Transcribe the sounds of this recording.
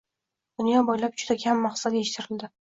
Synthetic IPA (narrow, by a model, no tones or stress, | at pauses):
d̪̥ʊnjɒbɒjlap̚d͡ʒʊd̪akʲʰamːaχsat̪e̞ʃɪ̥t̪ʰɪɾɪld̪ɪ